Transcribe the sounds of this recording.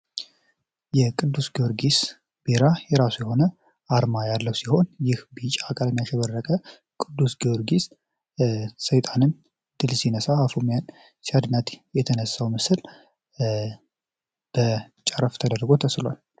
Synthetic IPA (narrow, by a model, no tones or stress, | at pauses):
jɛkʼɨd̪ːusɡiwoɾɡis | b̥iɾajɛɾasujɛho̞nə | aɾmajalːəwsiho̞njɪhbit͡ʃʼakʼaləmjaʃɛβərːəkʼə | kʼɨd̪ːusɡewoɾɡis | səjt̪ʼanɨn | d̪̥ɨlsinəsaafomijan | t͡ʃad̪nat̪jɛt̪ʰənəsːawmɨsɨl | b̥ə | t͡ʃʼaɾəft̪ʰəd̪ərɡo̞t̪ʰəslwa̰l